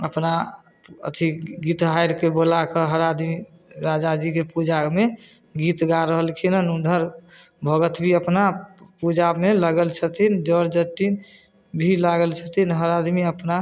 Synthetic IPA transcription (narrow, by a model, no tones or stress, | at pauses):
əpna | ə̰t̪ʰiɡit̪ɦajɾkebolakəɦəɾad̪mi | ɾad͡ʒad͡ʒikepud͡ʒame | ɡit̪ɡaɾəɦəlkʰinənund̪ʱəɾ | bʱəɡət̪bʱiəpnapud͡ʒameləɡəlt͡ʃʰət̪ʰind͡ʒəɾd͡ʒət̪ːin | bʱilaɡəlt͡ʃʰət̪ʰinɦəɾad̪miəpna